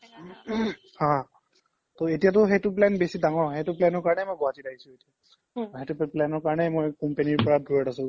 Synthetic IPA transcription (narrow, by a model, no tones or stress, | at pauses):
hã | toetijatʊɦejtʊplɛnbesidaŋɔɹɦejtʊplɛnɔɹkaɹɔnɛmojɡɔatidaɦisʊ̃etia | ɦetuplɛnɔɹkaɹɔnɛmojkɔmpeniɹpɔɹadʱujɔtasʊ̃